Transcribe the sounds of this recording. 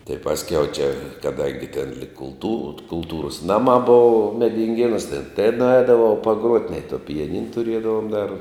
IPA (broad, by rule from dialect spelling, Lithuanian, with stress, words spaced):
tɐɪ ˈpɑːsʲˌkʲɛʊ ˈt͡ʃʲɛ kɐˈdɐŋʲɡʲɪ tʲɛn lʲiːk kʊlˠˈtuːr kʊlˠˈtuːroːs ˈnɑːˌmɑː ˈbʊʋʊ mʲɛdʲɪŋʲˈɡʲeːnuːs tʲɛn tɐɪ nʊˈɐɪdɐʋɐʊ pɐˈɡruɔtʲ nʲɛɪ toː pʲɪjɛˈnʲɪn tʊˈrʲiɛdɐʋoːm dɐr